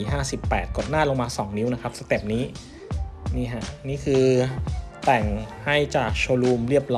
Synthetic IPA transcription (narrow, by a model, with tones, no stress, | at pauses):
ɦaː˥˩si˨˩pːɛː˨˩t̪̚ko˨˩t̪̚naː˥˩lo˧ŋmaː˧sɔː˩˦ŋni˦˥wna˦˥kʰa˦˥p̚sa˧t̪e˨˩p̚niː˦˥ | niː˥˩kʰa˦˩ʔniː˥˩kʰɯː˧ | t̪ɛ˨˩ŋha˥˩jt͡ɕaː˨˩k̚t͡ɕʰoː˧luː˧mɾi˥˩əp̚lɔː˦˥